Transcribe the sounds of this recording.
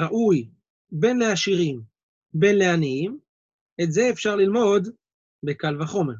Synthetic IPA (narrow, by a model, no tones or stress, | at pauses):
ʁaʔuj | be̞nle̞aʃiʁim | be̞nleaniim | etze̞ːfʃaʁlilmo̞d̪ | be̞kalvaχo̞me̞ʁ